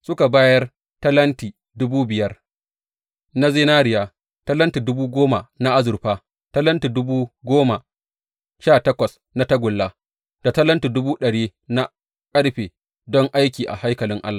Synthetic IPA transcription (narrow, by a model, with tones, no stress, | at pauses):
sʊ˦ka˨baː˦jɐ˦r | tɐ˦lɐ˦ntiː˨ | dʊ˦buː˦bɪ˨jɐ˦r | na˦zeː˦naː˦ɾɪ˨jaː˨ | tɐ˦lɐ˦ntiː˨dʊ˦buː˦ɡʷoː˦ma˨na˦ʔa˦zʊ˨rɸaː˦ | tɐ˦lɐ˦ntiː˨dʊ˦buː˦ɡʷoː˦ma˨ | ʃaː˦˨tɐ˦kʷɐ˨s | na˦tɐ˦ɡʷʊ˨lːa˦ | d̥a˨tɐ˦lɐ˦nti˨dʊ˦buː˦ɗɐ˨ɽiː˦na˦ | kʼɐ˦ɽɸeː˨ | dɔ˦ŋʔa˦jkʲiː˨ʔa̰˨ha˦jkɐ˨lɪ˦ŋʔa̰˦lːaː˨